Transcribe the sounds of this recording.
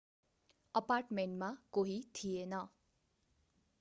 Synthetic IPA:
ʌparʈmeɳʈmakoɦit̪ʰijenʌ

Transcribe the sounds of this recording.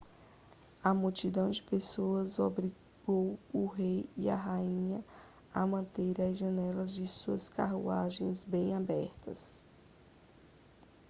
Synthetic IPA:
ɐmut͡ʃid̪ɐ̃w̃d͡ʒɪpesoɐzobɾi | ɡowʊɦejiɐ̰ɦaĩɲɐ | amɐ̃nt̪eɾɐzʒɐ̃nɛlɐzd͡ʒɪsuɐska̰ɦṵaʒẽj̃zbẽj̃abɛɾt̪ɐ̰s

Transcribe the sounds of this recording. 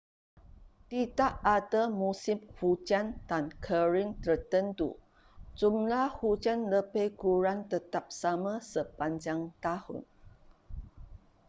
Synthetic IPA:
t̪itaʔadamusɪmhud͡ʒandankʰəɹint̪ərt̪ənt̪ṵ | d͡ʒumlahhud͡ʒanləbejkuɾant̪ət̪ap̚samãsəpaɲd͡ʒaŋt̪ahʊ̰n

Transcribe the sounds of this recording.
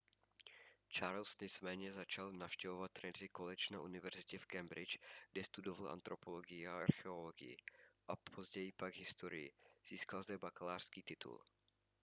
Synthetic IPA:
t͡ʃaɾlsɲɛt͡smɛːɲɛzat͡ʃalnafʃcɛvovat̪̚ːɾɛnzɪkolɛt͡ʃnaʔunɪvɛɾzɪcɛfkɛmbɾɪt͡ʃɡ̥dɛst̪udovalʔa̰nt̪ɾopoloɡɪjɪaa̰ɾxɛo̞loɡɪ̰jɪ̰ʔapʰozɟɛjɪpaɡɦɪst̪oɾɪ̰jɪ̰z̥iːskalzdɛbakalaːr̥skiːt̪ɪt̪ʰṵl

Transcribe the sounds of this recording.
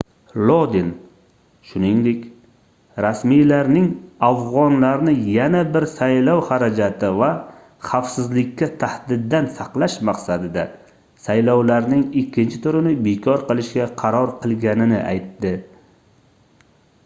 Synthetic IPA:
lˠod̪ɪn | ʃʊnɪŋd̪ɪkʲ | ɾasmijlaɾnɪŋafʁɒnlaɾnɪjanabɪɾsajlɒwhaɾad͡ʒat̪ʰɪva | χafsɪzlɪkʲʰːat̪ʰahd̪ɪd̪ːansɑqlˠaʃmaqsad̪ɪd̪a | sajlɒwlaɾnɪŋɪkʲʰːɪnt͡ʃʰɪ̥t̪ʰʊɾɪnɪbekʰɒɾqɨlˠɪʃkʲaqʰɑɾɒɾqʰɨlˠɡʲanɪnɪʔa̰jt̪ːɪ

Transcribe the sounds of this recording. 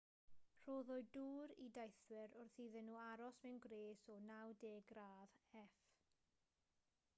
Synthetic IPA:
r̥oːðɔɨduːɾḭdajθwɪɾʊrθiːðɛnːuːaɾɔsmɛwnɡɾeːsɔnawdeːɡɾaːðɛf

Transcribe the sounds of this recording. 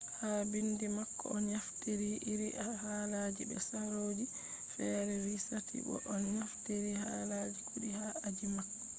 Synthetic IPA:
haːbindimakːɔ̰ɔnɲafteɾiʔiɾiʔahalad͡ʒibɛ̰saɾoːd͡ʒi | fɛːɾɛɾisatʰḭbɔ̰ʔɔnɲafteɾihaːlad͡ʒikʰuɗihaad͡ʒimakːɔ

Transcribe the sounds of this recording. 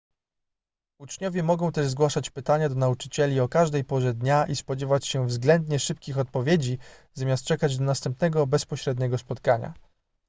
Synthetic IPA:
ut͡ʂɲɔvʲjɛmɔɡɔ̃w̃t̪ɛʐzɡwaʂat͡ɕpɘt̪aɲad̪ɔnaut͡ʂɘ̥t͡ɕɛlʲiɔkaʐd̪ɛjpɔʐɛd̪ɲaʔispɔd͡ʑɛvat͡ɕɕɛvzɡlɛnd̪ɲɛʂɘpkʲixɔt̪̚pɔvʲjed͡ʑizamʲjast̪t͡ʂɛkad͡ʑd̪ɔnast̪ɛmpnɛɡɔbɛspɔɕɾɛd̪ɲɛɡɔspɔt̪kaɲa̰

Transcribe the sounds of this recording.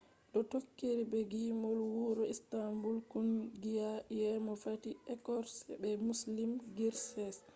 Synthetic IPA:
ɗɔtokːiɾibɛɡimɔlwuɾɔistambulkunɡijajɛmɔfatiɛkɔɾsɛbɛmuslimɡiɾsɛs

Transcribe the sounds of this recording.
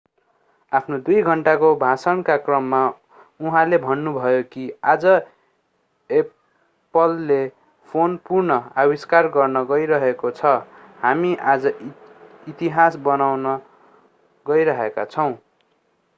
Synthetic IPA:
apʰnod̪ujɡʱʌɳʈakobʱasʌnkakrʌmːa | uɦãlebʱʌnːubʱʌjokiad͡zʌ | e | pʌlːe | pʰonpurnʌawiskarɡʌrnʌɡʌiɾʌɦekot͡sʰʌ | hamiʔad͡zʌ | it̪iɦasbʌnawnʌ | ɡʌiɾʌɦekat͡sʰʌw̃

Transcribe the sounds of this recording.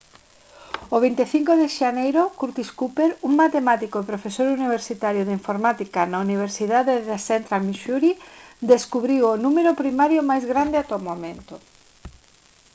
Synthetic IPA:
oβ̞int̪eθiŋkoðeʃanejɾokuɾt̪iskupeɾuŋmat̪emat̪ikoepɾofesoɾuniβ̞eɾsit̪aɾjoðeiɱfoɾmat̪ikanauniβ̞eɾsiðaðeðasent̪ɾamiʃuɾid̪eskuβɾiwonumeɾopɾimaɾjomajzɣɾand̪eat̪omomẽnt̪o

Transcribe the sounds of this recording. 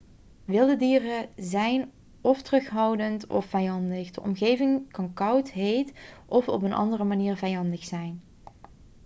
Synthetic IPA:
ʋɪlˠdədiːrəzɛjn | ɔftərɵχɦɑwdəntɔ̰fɛjɑndəχdəʔɔ̰mɣejvɪŋkɑnkɑwtɦejtʔɔfɔpənʔɑ̰ndərəmaniːɹvɛjɑndəχsɛjn

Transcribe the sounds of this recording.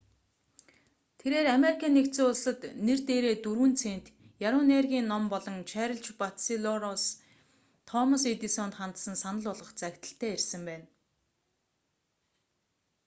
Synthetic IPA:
t̪ʰeɾeːɾameɾikʰaːnːekt̪seːʊɮsə̆t̪nert̪eːɾeːt̪uɾuːnt͡sʰeːnt̪ | jaɾʊːneːrɣʲiːnːɔmpɔɮɞ̆ŋt͡ɕʰæːɾə̆ɮt͡ɕpat̪siɮɔɾɔs | t̪ʰɔmɔs̬met̪isɔnt̪χant̪sə̆nsanə̆ɮʊɮʁə̆χt͡sækʲt̪ə̆ɬt̪ʰæːersɘ̆mpæːn

